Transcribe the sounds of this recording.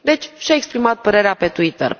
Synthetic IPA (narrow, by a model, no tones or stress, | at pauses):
d̪e̞t͡ʃʲʃiaekspɾimat̪̚pəɾe̞ɾeape̞t̪uit̪ə̰r